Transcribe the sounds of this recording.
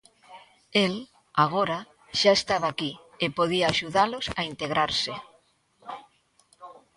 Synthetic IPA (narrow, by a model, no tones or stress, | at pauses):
el | aɣ̞oɾa | ʃaest̪aβaːki | epoðiaːʃuðalosaint̪eɣɾaɾsɪ